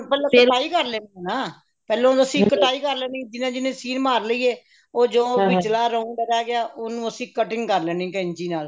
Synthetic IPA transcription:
pɛːlẽːkəʈaːiːkəɾlɛːniːnaː | pɛːlõːəsĩːkəʈaːiːkəɾlɛːnĩːd͡ʒɪnãːd͡ʒɪnẽːsiːnmaːɾləiːeː | oːd͡ʒõːʋɪt͡ʃt͡ʃlaːɾəũːbəɾaːɡɪaːʔonũːəsĩːkəʈɪ̃ŋɡkəɾlɛːnĩːkəɪɲt͡ʃiːnaːl

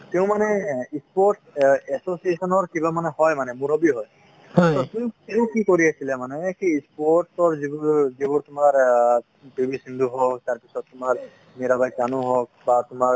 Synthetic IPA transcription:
t̪eʊ̃manɛispɔɹʈɛsosiesɔnɔɹkibamanɛhɔjmanɛmuɾɔbiɦɔj | ɔt̪ɔt̪umĩkeukikoɾiasʰilɛmanɛkiːspɔɹʈsɔɹzibuzibuɾt̪ʊmaɹ | pibisind̪ʱuɦɔk̚t̪aɹpisɔt̪ːʊmaɹ | meɾabajkanũɦɔk̚bat̪ʊmaɹ

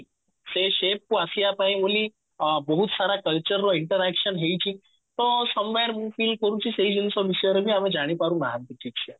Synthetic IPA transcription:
seɕep̚kuasiapaĩmulĩ | bəɦut̪saɾakəlt͡ɕəɾːɔiɳʈəɾækʃənɦejt͡ɕĩ | t̪ɔsəmʋaɾmufiːlɖ̚kəɾũt͡ɕised͡ʑənsɔʋisəjɾbʱiːamẽd͡ʒaɽ̃ipaɾũnaɦãnt̪iʈʰik̚t͡ʃʰe

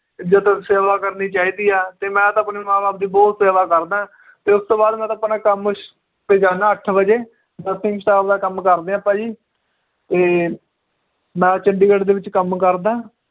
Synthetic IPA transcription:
d͡ʒət̪seːʋaːkəɾniːt͡ʃaːiːd̪iːaːt̪eːmɛ̃ːt̪ːəpneːmãːbaːp̚d̪iːbɔːt̪seːʋaːkəɾd̪ãː | t̪eːʊst̪oːbaːd̪mɛ̃ːt̪ãːpnãːkəmʊʃ | peːd͡ʒaːnãːəʈʰbəd͡ʒeː | d̪ət̪ʰɪ̃ŋksaːbd̪aːkəmkəɾd̪eːãːpɛːiː | t̪eː | mɛ̃ːt͡ʃəɳɖiːɡəɽd̪eːʋɪt͡ʃkəmkəɾd̪aː

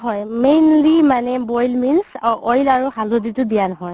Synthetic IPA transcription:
ɦɔjmejnlimanɛbɔjlminsɔjlaɹuhaloditʊdijanɔɦɔj

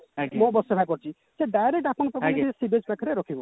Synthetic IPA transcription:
kmobɔsepʰak̬ɔɾt͡ʃʰi | seɖajɾek̚ʈapɔnɔt̪ɔɔiisibed͡ʒpakʰɔɾeɾɔkʰibɔ

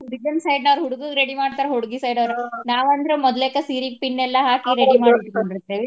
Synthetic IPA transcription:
ɾiɡɐmsɐjɖnɐʋɐɾɦuɽuɡuɾeɽimaːɽt̪aːɾeɦuɽuɡisɐjɖɐʋɐɾenaːʋɐnd̪ɾemɔd̪leːkːɐsiːɾiɡ̚piɳːɛlːɐɦaːkiɾeimaːɽikoɳɖiɾt̪ːeʋi

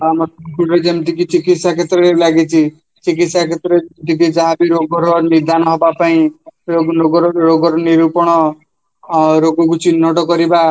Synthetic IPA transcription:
amɔkʰuɽed͡ʒemt̪ikit͡ʃikit̪sakʰet̪ɾɔɾelaɡit͡ʃʰi | t͡ʃik̬it̪sakʰet̪ɾemt̪ikid͡ʒaɦãbiɾoɡɔɾɔniɾd̪ʱanɔɦɔbapaĩɾoɡnɔɡɔɾɔɾoɡɔɾɔniɾupɔɽ̃ɔ | ɾoɡɔɡut͡ʃʰinɔʈɔkɔɾiba

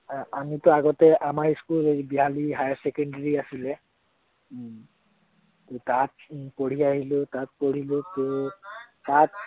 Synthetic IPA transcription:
amitʊaɡɔtɛʔamaɹiskulbiɦaliɦajasɛkɔndaɹiasilɛ | ttat̚poɹ̤iaɦilʊ̃tat̚poɹ̤ilʊ̃tʊ | tat̚

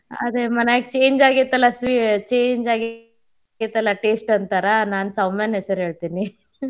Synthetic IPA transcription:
ɐ̰d̪emɐneaɡt͡ʃeːɲd͡ʒaːɡit̪ɐlːɐsʋit͡ʃeːɲd͡ʒaːɡ | it̪ɐlːɐʈeːsʈɐnt̪aɾɐnaːnsɐwmenɦesɐɾɦe̞ːɭt̪ini

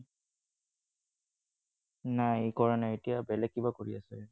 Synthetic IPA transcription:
najkɔɹanɛetijabɛlɛk̚ːibakoɹiasɛ

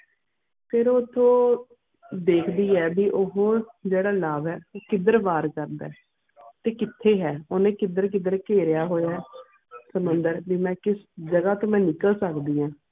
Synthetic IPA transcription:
pʰɪɾoːt̪ʰːõː | d̪eːkʰd̪iːɛːbiːʔoɦoːd͡ʒeːɽaːlaːʋɛːoːkɪd̪əɾʋaːɾkəɾd̪aː | t̪eːkɪt̪ʰːeːɦɛːoːnẽːkɪd̪əɾk̬ɪd̪əɾkeːɾɪjaːɦoːjaːɦɛː | səmʊnd̪əɾʋiːmɛ̃ːkɪsd͡ʒəɡaːt̪õːmɛ̃ːnɪkəlsəkd̪iːɦãː

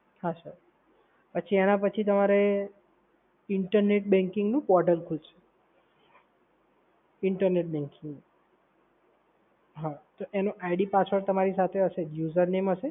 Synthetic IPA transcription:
haʃəɾ | pət͡ʃʰienapət͡ʃʰit̪əmaɾe | ɪɳʈəɾneʈbɛ̃ŋkɪŋɡnũpɔɾʈəlkʰult͡ʃʰe̥ | ɪɳʈəɾneʈ̚bɛ̃ŋkɪ̃ŋɡnũ | ɦat̪oʔenoʔaiɖipat͡ʃʰəɾt̪əmaɾisat̪ʰeəʃejuzəɾnemɦəʃe

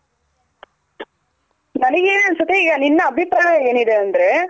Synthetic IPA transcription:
nɐnɐɡeeːnɐnsut̪ːiiːɡɐninːɐːbʱipɾaːɦɐeːnid̪eɐnd̪ɐɾe

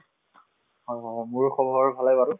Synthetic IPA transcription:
hɔjɦɔjmʊɹxɔbʱɔɹbʱalajbaɾʊ

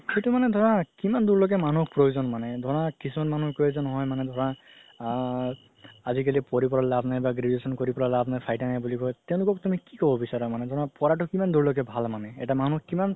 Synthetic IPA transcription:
xetumanɛd̪ʱɔɹakimanduɹlɔk̬ɛmanukpɹojuzɔnmanɛd̪ʱɔɹakisumɔtmanukojzɔnɔɦɔjmanɛd̪ʱɔɹa | azikalipɔɹipɔɹalabnajbaɡɾedesɔnkoɹipɔɹalabnajpʰajtanajbulikɔjtɛʊ̃lʊkɔk̚tumikikɔbɔbisaɹamanɛd̪ʱɔɹapɔɹaʈukimanduɹlɔk̬ɛbʱalmanɛɛtamanukiman

